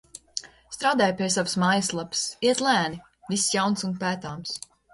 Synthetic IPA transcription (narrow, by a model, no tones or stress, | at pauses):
st̪ɾaːd̪aːjpʲiɛs̬avəsmaːjəslˠapsiɛt̪lˠæːni | visjawnsunpæːt̪aːms